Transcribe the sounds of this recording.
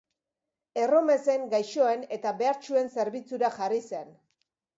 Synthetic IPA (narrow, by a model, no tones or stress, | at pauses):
e̞ro̞me̞se̞ŋɡajʃo̞e̞ne̞t̪aβe̞aɾt͡ʃue̞nse̞ɾβit͡suɾaʝarise̞n